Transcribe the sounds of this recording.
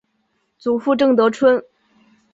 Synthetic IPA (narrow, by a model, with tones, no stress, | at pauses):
t͡su˨˩fu˥˧ʈ͡ʂɤ˥˩ŋt̪ɤ˧˥ʈ͡ʂʰwə˥n